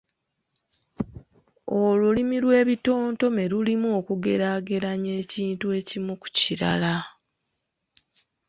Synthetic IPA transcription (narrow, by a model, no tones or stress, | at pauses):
olulimilwe̞ːβito̞ːnto̞meɾulimokuɡe̞ɾaːɡe̞ɾaɲe̞ːciːntue̞ːcimuku̥ciɾa̰la